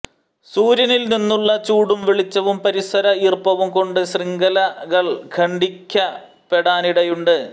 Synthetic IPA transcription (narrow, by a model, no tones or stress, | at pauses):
suːɾjɐnilninːuɭːɐt͡ɕuːɽumʋiɭit͡ɕːɐʋumpɐɾisɐɾɐiːrpɐʋumko̞ɳɖɨɕriŋɡɐlɐɣɐɭkʰɐɳɖikʲːɐ | pe̞ɽaːniɽɐjuɳɖɨ